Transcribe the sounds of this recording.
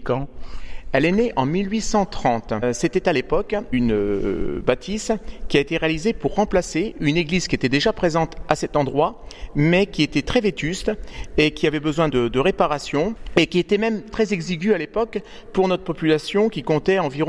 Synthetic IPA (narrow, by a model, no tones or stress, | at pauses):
kɑ̃ | ɛleneʔɑ̃milɥisɑ̃t̪χɑ̃t̪set̪ɛt̪alepɔkynøbat̪ʰiskʲiaet̪eʁealizepuʁːɑ̃plaseyneɡlizkʲiet̪ɛd̪eʒapχezɑ̃t̪asɛt̪ɑ̃d̪ʁwamɛkʲiet̪ɛt̪χɛvet̪yst̪ekʲiavɛbəzwɛ̃d̪əd̪əʁepaʁasjɔ̃ekʲiet̪ɛmɛmt̪χɛzeɡziɡʲyalepɔk | puʁnɔt̪χəpɔpylasjɔ̃kʲikɔ̃t̪ɛɑ̃viʁɔ̃